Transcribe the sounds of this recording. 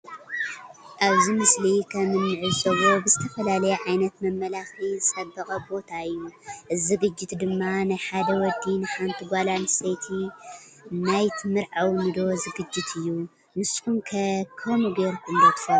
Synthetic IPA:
ʔaβzimɨslikʰɐmɨnmɨʕɨsʼɐβo̞bɨzɨt̪ʰɐfɐlalɐjɛʕajnɐt̪mɐmːɐlaxlizsʼɐbɐxʼɐbo̞t̪ʰaɨjːuʔɨzɨɡɨd͡ʒːɪt̪d̪ɨmːanajħad̪ɐwɔd̪ːinɨħant̪ʰiɡʷalanset̪ʰi | najt̪ʰɨmɨɾʕawmɨd̪o̞zɨɡɨd͡ʒːɪt̪ʰɨjːu | nɨskunkʰɐkʰomuɡeɾkʰund̪ɐt̪fɐ

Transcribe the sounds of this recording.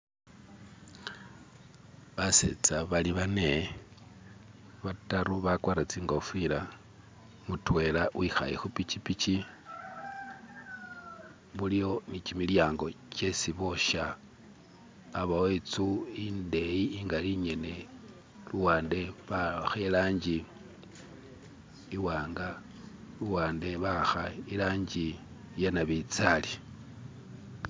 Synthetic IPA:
βasḛt͡saβaliβane̞ | βataɾuβakwaɾat͡siːŋɡofila | mutwe̞lawixa̰jḛxupit͡ʃipit͡ʃi | βulijo̞nit͡ʃimiljaːŋɡo̞t͡ʃe̞siβo̞ʃa | βawet͡suinde̞jiːŋɡaliɲe̞ne̞ | luwaːnde̞βaxelaːɲd͡ʒi | waːŋɡa | luwaːnde̞βaxailaːɲɟi | janaβit͡sali

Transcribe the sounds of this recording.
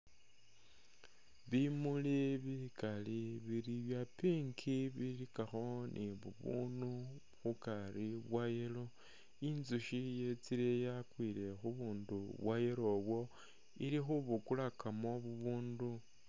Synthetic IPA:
βimuliβikaliβiɾiβjapiŋkʰiβiɾikaxo̞nʔiβṵβṵnu | xukaɾiβwajelo | inzuʃije̞t͡siɾejakwile̞xuβuːnduβwajelo̞βwo̞ | iɾixuβukulakamo̞βuβuːndu

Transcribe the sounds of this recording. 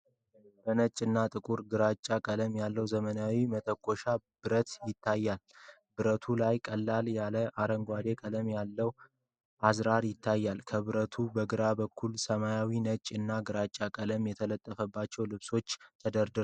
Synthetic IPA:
b̥ənət͡ʃʼːɨnːat̪ʼɨkʼuɾɡɨɾat͡ʃʼːakʼələmjalːəwzəmənawimət̪ʼʰəkʰʼːo̞ʃab̥ɨɾət̪jɪt̪ʰːajːal | bɨɾət̪ʰulajkʼəlːaljaləʔaɾəŋɡʷad̪e̞kʼələmjalːəw | ʔazɾaɾjɪt̪ʰːajːalkʰəβɨɾət̪ʰubəɡɨɾabəkʰːulsəmajawinət͡ʃʼːɨnːaɡɨɾat͡ʃʼːakʼələmjɛt̪ʰələt̪ʼːəfəbːat͡ʃːɛwlɨβso̞t͡ʃːt̪ʰəd̪əɾd̪ɨ

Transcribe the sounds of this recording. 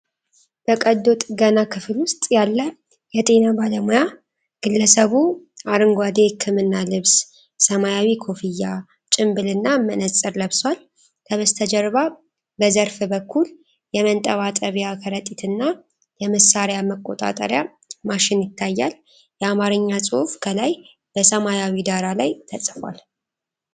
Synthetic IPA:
b̥əkʼəd̪o̞t̪ʼɡənakʰɨflwʊst̪ʼjalːə | jɛt̪ʼe̞nabaləmuja | ɡ̥ɨlːəsəβuʔaɾɨŋɡʷad̪ekʰːɨmɨnːalɨβs | səmajawikʰo̞fijːa | t͡ʃʼɪmbɨlɨnːamənəsʼɨɾləβswal | k̪ʰəβəst̪ʰəd͡ʒɛɾβa | bəzəɾfbəkʰːul | jɛmənt̪ʼəβat̪ʼəβjakʰəɾət̪ʼːit̪ʰɨnːa | jɛməsaɾjaməkʼːo̞t̪ʼa̰t̪ʼə̰ɾja | maʃɪnjɪt̪ʰːajːal | jɛamaɾɨɲːasʼɨhufkʰəlaj | b̥əsəmajawid̪aɾalajt̪ʰəsʼfwa̰l

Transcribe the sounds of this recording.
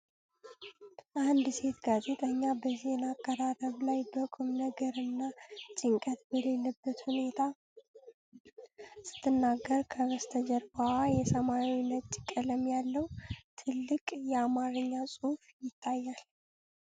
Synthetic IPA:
ʔand̪se̞t̪ɡaze̞t̪ʼəɲːabəzenakʼːəɾat̪əβlajbəkʼumnəɡəɾɨnːat͡ʃʼɪŋkʼət̪bəle̞lːəbːət̪hune̞t̪ʰa | sɨ̥t̪ʰːɨnːaɡːəɾkʰəβəst̪ʰəd͡ʒəɾbaajɛsəmawinət͡ʃʼːkʼələmjalːəwt̪ʰɨlːɨkʼjɛamaɾɨɲːasʼuhfjɪt̪ʰːajːal

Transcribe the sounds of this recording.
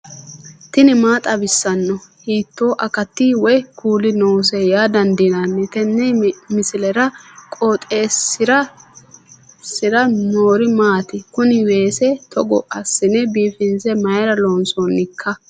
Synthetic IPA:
t̪ɪnɪmaːt̪ʼɐbɪsːɐnːɔhiːt̪ːo̞ːʔɐkɐt̪ːiːwɔjkʰuːlɪnoːsejaːd̪ɐnd̪ɪnanːɛt̪ɛnːɛjmɪsɪlɛɾɐkʼoːt̪ʼeːsɪɾɐ | sɪɾɐnoːɾɪmaːt̪ɪkʊnɪweːsɛt̪ʰɔɡɔʔɐsːɪnɛbiːfɪnsɛmɐjɐɾɐloːnsoːnːɪkʰːɐ

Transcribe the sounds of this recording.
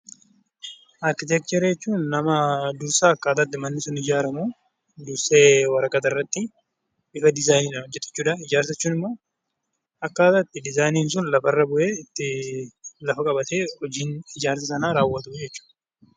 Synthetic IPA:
ʔɐɾkɪt̪ɛːkt̪ɛɾd͡ʒɛt͡ʃːuːnːɐmɐd̪ʊɾsaɐkːaːt̪at̪ːɪmɐnːɪsʊnɪd͡ʒaːɾɐmu | d̪ʊɾseːwɐɾɐkʼːɐt̪ɐrːɐt̪ːɪ | ʔɪfɐd̪ɪzaːjniːnɐhɔd͡ʒːɛt̪ːɪ̥t͡ʃːuːᶑɐɪd͡ʒaːɾsɐt͡ʃːuːnɪmːo̞ː | ɐkːaːt̪at̪ːɪd̪ɪzaːjniːns̬ʊnlɐfɐrːɐbʊʔe̞ːɪt̪ːɪ | lɐfɐkʼɐbɐt̪e̞ːhɔd͡ʒiːnɪd͡ʒaːɾsɐsɐnaːɾaːwːɐt̪ʊd͡ʒɛt͡ʃːu̥ːᶑ

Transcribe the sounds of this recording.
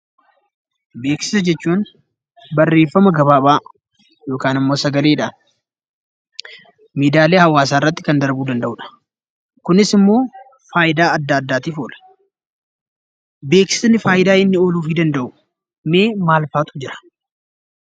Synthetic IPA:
be̞ːksɪ̥sɐd͡ʒɛt͡ʃːuːn | bɐrːe̞ːfːɐmɐɡɐβaːbaː | jo̞ːkaːnɐmːo̞ːsɐɡɐleːᶑan | miːd̪aːleːhɐwːaːs̬aːɪrːɐt̪ːɪkɐnd̪ɐɾbuːd̪ɐnd̪ɐʔʊᶑɐ̥ | kʊnɪsɪmːo̞ː | faːjɪd̪aːɐd̪ːaːd̪ːaːt̪iːfoːlɐ̥ | be̞ːksɪ̥snɪfaːjɪd̪aːɪnːɪoːluːfɪd̪ɐnd̪ɐʔʊ | me̞ːmaːlfaːt̪ʊ̥d͡ʒɪɾɐ̥

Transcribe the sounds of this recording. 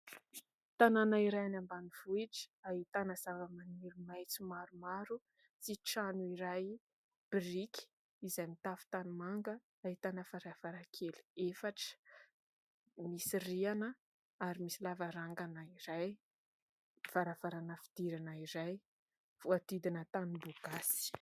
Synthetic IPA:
t̪ananaiɾajanambaniv̥uiʈ͡ʂə̥aɦit̪anəzavəmaniɾimajt͡simaɾumaɾu | t͡siʈ͡ʂanuiɾaj | b̥riki̥ | izajmit̪afu̥t̪animaŋɡə | aɦit̪anəfaɾafaɾakʰeliefaʈ͡ʂə̥ | misirianə | aɾimisilavaɾaŋɡanaiɾaj | faɾafaɾanəfi̥d̪̥iɾanəiɾaj | v̥uat̪id̪inət̪aniboɡasi̥

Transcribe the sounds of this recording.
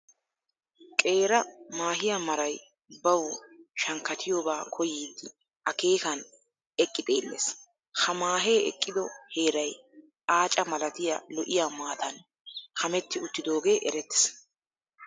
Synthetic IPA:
kʼe̞ːɾɐmaːɦɪjamɐɾɐj | bɐwʃɐŋkːɐt̪ʰɪjoːbaːkʰɔjiːd̪ːɪ | ʔɐke̞ːkɐn | ɛkʼːɪt̪ʼeːlːḛs | hɐmaːɦe̞ːɛ̰kʼːɪd̪ɔhe̞ːɾɐj | ʔaːt͡ʃʼɐmɐlɐt̪ɪjɐ̰lɔʔɪjaːmaːt̪ɐn | kɐmɛt̪ːɪʊt̪ːɪd̪o̞ːɡe̞ːʔɛɾɛt̪ːɪ̥s

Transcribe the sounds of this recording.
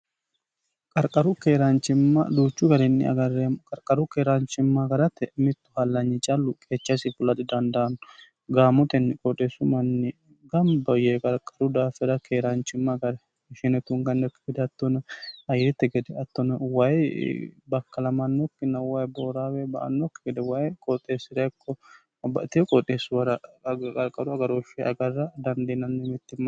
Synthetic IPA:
kʼɐɾkʼɐɾʊkeːɾaːnt͡ʃɪmːa̰d̪uːt͡ʃːʊɡɐɾɛnːɪ̰ɐ̰ɡɐrːemkʼɐɾkʼɐɾʊkeːɾaːnt͡ʃɪmːaɡɐɾɐt̪ːɛmɪt̪ːʊ̥hɐlːɐɲːɪt͡ʃʼɐlːʊkʼeːt͡ʃːɐsɪfʊlɐt̪ɪd̪ɐnd̪ɐːnʊ | ɡaːmʊt̪ɛnːɪkʼɔᶑesʊmɐnːɪ | ɡɐmbɔjekʼɐɾkʼːɐ̥ɾʊd̪aːfɛɾɐkʰeːɾaːnt͡ʃɪmːaɡɐɾɛ | ʃɪnɛt̪ʊŋɡɐnːɔkːɪɡɛd̪ɛɐt̪ːɔnɐɐjɾɪt̪ːɛɡɛd̪ɛɐt̪ːɔnɐwɐjbɐkːɐlɐmɐnːɔkːɪnːɐwɐjboːɾawɛbɐ̰ʔɐ̰nːɔkːɪɡɛd̪ɛwɐjkʼɔt̪ʼːeːsːɪɾɐkːɔ | bɐt̪ɪɔkʼɔt̪ʼːeːsːʊwɐɾɐkʼɐɾkʼːɐɾʊɐɡɐɾoʃɛɐɡɐrːɐd̪ɐnd̪eːnɐnːɪmɛt̪ːɪmːɐ

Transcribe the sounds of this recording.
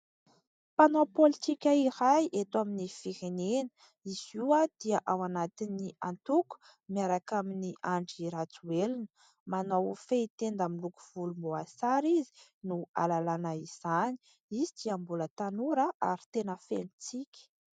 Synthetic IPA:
panopolit̪ikʲaiɾajʔet̪waminifiɾenenə̥ | iz̥iwad̪̥iəʔawanat̪iniant̪uku̥ | miaɾakaminiʔaɳɖ͡ʐiɾat͡suelinə | manawfeit̪end̪amilukuv̥ulumoasaɾizi̥nua̰lalanaiz̥ani̥ | izid̪̥iambulət̪anuɾəʔa̰ɾi̥t̪enəfenit͡sikʲə̥

